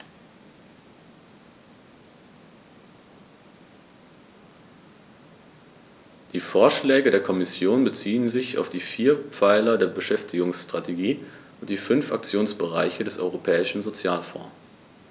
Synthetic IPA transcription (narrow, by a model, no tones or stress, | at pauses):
d̥iːfoːɐʃlɛːɡədeːɐkʰɔmɪsjoːnbət͡siːənzɪça̰ʊfd̥iːfiːɐpp͡faɪlɐdeːɐbəʃɛftʰɪɡʊŋsʃtʁ̥atʰeɡiːʔʊnt̚d̥iːfʏnfa̰k̚t͡sjoːnsb̥əʁa̰ɪçədɛsʔɔ̰ʏʁopʰɛːɪʃn̩zot͡sjaːlfɔ̰̃ː